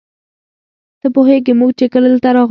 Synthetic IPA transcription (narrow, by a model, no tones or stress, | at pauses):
t̪əpoɦeɡemuɡ̚t͡ʃekələlt̪aɾɑɣ